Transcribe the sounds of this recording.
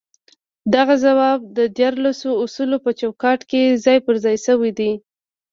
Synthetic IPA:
d̪aɣazawɑb̚d̪əd̪jaɾlasoʊsulopət͡ʃawkɑʈkezɑjpəɾzɑjsəwid̪i

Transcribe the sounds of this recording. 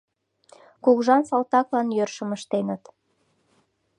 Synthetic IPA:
kukʒɑnsɑlˠt̪ɑklɑnjørʃə̆məʃt̪enə̆t̪

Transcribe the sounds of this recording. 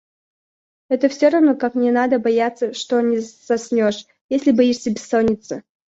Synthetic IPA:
ɛt̪əfsʲoɾɐvnokaknʲɛnad̪əbɐjat̪sːəʂt̪onʲɪz̥ɐsʲnʲoʂ | jesʲlʲɪbɐjiʂsʲəbʲɪsːonʲɪt̪sə

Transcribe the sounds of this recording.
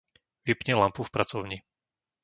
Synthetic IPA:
ʋipɲɛlampufpɾat͡sɔʊɲi

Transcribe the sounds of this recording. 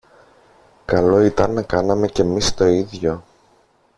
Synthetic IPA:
kɐlo̞it̪ɐnːɐkɐnɐme̞ce̞mist̪o̞iðʝo̞

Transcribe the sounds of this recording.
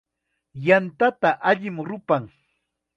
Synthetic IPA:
jant̪at̪aʔaʎɪmɾʊpaŋ

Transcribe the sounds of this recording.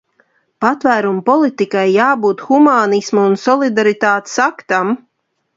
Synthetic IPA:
pat̪væːɾumpɔlˠit̪ikajːaːbuːt̪xumaːnismuunsɔlˠid̪aɾit̪aːt̪e̥sakt̪am

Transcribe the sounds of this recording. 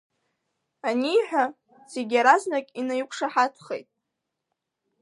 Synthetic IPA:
aniːħʷᶣa | z̥eɡʲaɾaznakʲʼinajkʷʰʂaħatʰχḛjtʼ

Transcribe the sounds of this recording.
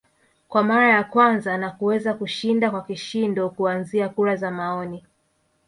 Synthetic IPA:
kwamaɾajakwanzanakuwɛzakuʃindakwakiʃindɔkuanziakuɾazamaɔni

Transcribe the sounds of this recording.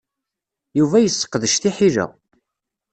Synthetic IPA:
juvæjəsːə̥qːðəʃθiħiʒæ̰

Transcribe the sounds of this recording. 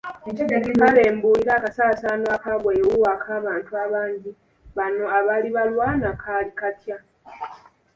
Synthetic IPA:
imale̞ːmbuːiɾaːkasaːsanoakaβwewuwakʰaːβaːntuaβaːɲɟi | βano̞aβaliβalwanakʰalikatja

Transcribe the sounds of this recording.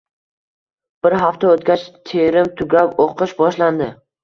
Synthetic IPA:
b̥ɪɾɦaft̪aot̪ɡʲat͡ʃt̪ʰeɾɪmt̪ʰʊɡʲapoqʰɨʃbɒʃland̪ɪ

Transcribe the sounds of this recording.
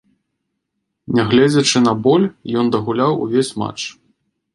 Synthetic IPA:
nʲɛɣlʲɛd͡zʲɐt͡ʂɨnɐbɔlʲjɔnd̪ɐɣulʲawṵvʲesʲma̰t͡ʂ

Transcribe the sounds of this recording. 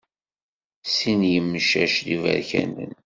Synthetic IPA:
sinjəmːəʃæʃðivæ̰ɾçæ̰nə̰n

